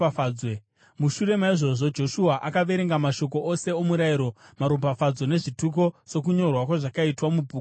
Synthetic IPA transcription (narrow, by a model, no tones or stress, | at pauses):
we | muʃuɾe̞maiʐo̞ʐo̞d͡ʒo̞ʃuaʔakaʋe̞ɾe̞ŋɡamaʃo̞ko̞ʔose̞omuɾaiɾo̞maɾopafad͡zo̞ne̞ʐituk̬o̞so̞k̬uɲo̞rwakwaʐakaitwamubʱuːk